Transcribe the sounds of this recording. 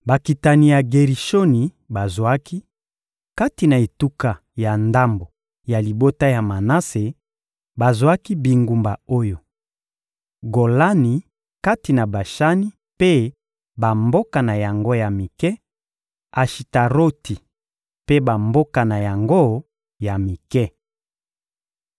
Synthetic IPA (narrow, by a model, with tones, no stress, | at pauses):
ba˨ki˨ta˨ni˨ja˨ɡe˨ʁi˨ʃo˦ni˨ | ba˨zwa˦ki˦ | ka˦ti˨na˨e˨tu˦ka˨ | ja˨nda˦mbo˨ | ja˨li˨bo˦ta˦ja˨ma˨na˦se˨ | ba˨zwa˦ki˦bi˨ŋɡu˨mba˨o˦jo˨ | ɡo˨la˦ni˨ | ka˦ti˨na˨ba˨ʃa˦ni˦ | pe˦ | ba˨mbo˦ka˨na˨ja˨ŋɡo˦ja˨mi˨kɛ˦ | a˨ʃi˨ta˨ʁo˦ti˨ | pe˦ba˨mbo˦ka˨na˨ja˨ŋɡo˦ | ja˨mi˨kɛ˦